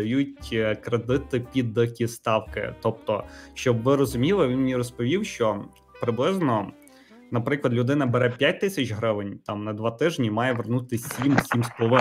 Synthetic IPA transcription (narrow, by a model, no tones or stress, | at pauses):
ɐjutʲkɾed̪ɪt̪ɪpʲid̪ɐkʲist̪ɑwkɪ̰t̪ɔp̚t̪ɔʃt͡ʃɔbʋɪɾɔzʊmʲilˠɪʋʲinmnʲirɔspɔʋʲiwʃt͡ʃɔ | pɾɪblˠɪznɔ | nɐpɾɪklˠɐd̪lʲʊd̪ɪnɐbeɾɛpʲjat̚ʲt̪ɪsʲɐt͡ʃɦɾɪʋɪnʲt̪ɑmnɐd̪ʋɑt̪ɪʒnʲimɑjɛʋernut̪ɪsʲimsʲimspɔlˠɔʋɪ